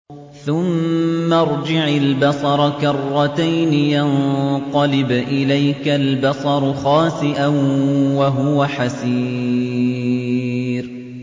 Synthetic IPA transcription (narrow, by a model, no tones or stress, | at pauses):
θʊmːaɾˤd͡ʒɪʕalbɑsˤɑɾˤɑkɑrˤːɑt̪ajnɪjanq̪ɑlɪbʔɪlajkalbɑsˤɑɾˤʊxɑːsɪʔanwaɦʊwaħasiː | ɾ